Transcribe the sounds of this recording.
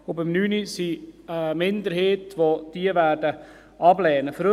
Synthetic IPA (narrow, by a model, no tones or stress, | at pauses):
ʊbɪmnyːnisiəmɪnd̪əɾheːtʋod̥iəʋæːrdə | ɑblɛːnəfɾø